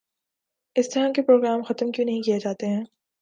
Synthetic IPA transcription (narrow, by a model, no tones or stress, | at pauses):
ɪst̪ɐɾãkepɾoːɡɾaːmxɐt̪mkjũːnɐɦĩkijed͡ʒaːt̪eɦɛ̃ː